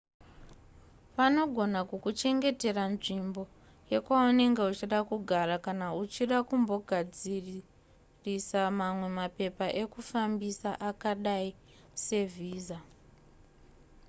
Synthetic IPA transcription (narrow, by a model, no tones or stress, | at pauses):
pano̞ɡʱo̞nakukut͡ʃe̞ŋɡe̞te̞ranʐimbo̞ | je̞kwaune̞ŋɡe̞ut͡ʃiɗakuɡʱaɾakanaut͡ʃiɗakumbo̞ɡʱad͡zi | risamamwe̞mape̞paʔekufambisaʔakaɗai | se̞vʱiːza